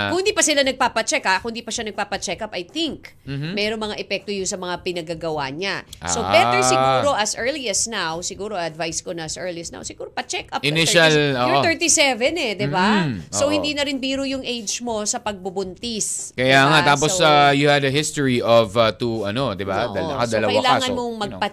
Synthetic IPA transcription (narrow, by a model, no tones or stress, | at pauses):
kʊnd̪ipɐsɪlanɐɡ̚papɐt͡ʃɛkakʊnd̪iːpɐʃanɐɡ̚paːpɐt͡ʃɛkɐpɐjt̪ɪŋk | m̩ːmɛɾonmɐŋaʔɛpɛk̚t̪ojʊŋsɐmɐŋapɪnɐɡaɡɐwaɲassobɛt̪ɛɹsɪɡuːɾo̞ʔɐsʔɛɹliɐsnawsɪɡuːɾoɐɐd̪vajskonɐɐsʔɛɹliɐsna̰wsɪɡuːɾopɐt͡ʃɛkɐpʔɪnɪʃɐloʔt̪ɛɹt̪isɛvɛnɛd̪ɪbasowhɪnd̪iːnɐɾɪnbiːɾʊjʊŋʔejd͡ʒmo̞sɐpɐɡ̚bʊbʊnt̪iskɐjaŋat̪aːp̬osajuhɐd̪ɐɦɪst̪oɹiɔvɐt̪uɐnod̪ɪba̰ɐlkɐd̪ɐlɐwkɐʔɪlaːaŋɐmoŋmɐɡ̚pɐ